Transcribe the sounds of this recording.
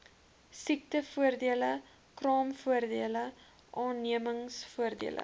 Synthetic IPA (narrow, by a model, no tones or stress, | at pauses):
sik̚təfuərdiələ | krɑːmfuərdiələ | ʔɑːniəməŋsfuərdḭəlʔə̰